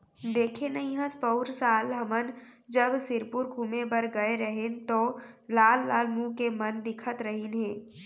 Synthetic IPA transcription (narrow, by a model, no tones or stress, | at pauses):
d̪eːkʰenəɦĩɦə̃spəʊɾsaːlɦɐmənd͡ʒəbsɪɾpʊɾɡʱuːmebəɾɡɐeɾəɦent̪oːlaːlːaːlmũkemənd̪ɪkʰət̪ɾəɦinɦɛ̃ː